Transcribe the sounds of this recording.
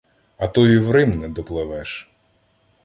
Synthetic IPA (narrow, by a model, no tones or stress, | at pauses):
ɐt̪ɔjiwɾɪmnɛd̪ɔplˠɪʋɛʃ